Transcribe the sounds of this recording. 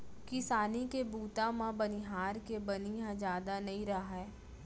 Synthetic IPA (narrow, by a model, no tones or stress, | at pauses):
kɪsaːnikebuːt̪amãbɐniɦaːɾkebɐnijãd͡ʒjaːd̪anɐɦĩɾɐɦaɦɛː